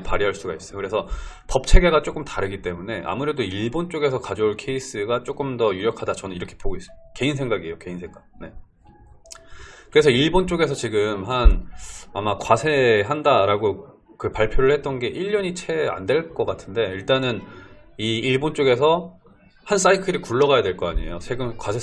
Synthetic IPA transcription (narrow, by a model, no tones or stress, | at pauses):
paɾiɦaɭs͈uɡais͈ʌjokɯɾe̞sʰʌ | pʌp̚t͡ɕʰe̞ɡe̞ɡat͡ɕ͈ok͈ɯmtaɾɯɡit͈e̞mune̞ʔa̰muɾe̞doiɭbont͡ɕ͈oɡe̞sʰʌkad͡ʑʌuɭkʰe̞is͈ɯɡat͡ɕ͈ok͈ɯmdʌjuɾjʌkʰadat͡ɕʌnɯniɾʌkʰe̥poɡois͈ɯke̞insʰe̞ŋɡaɡiejoke̞insʰe̞ŋɡaɡ̚ne̞ | kɯɾe̞sʰʌiɭbont͡ɕ͈oɡe̞s̬ʰʌt͡ɕiɡɯmɦanamakwasʰe̞ɦandaɾaɡo | kɯpaɭpʰjoɾɯɭhet̚t͈ʌnɡe̞ʔiʎːʌɲit͡ɕʰe̞a̰ndwe̞ɭk͈ʌk͈atʰɯnde̞iɭt͈anɯniːɭbont͡ɕ͈oɡe̞sʰʌ | hans͈aikʰɯɾikuɭːʌɣajadwe̞ɭk͈ʌaɲiejosʰe̞ɡɯnkwasʰe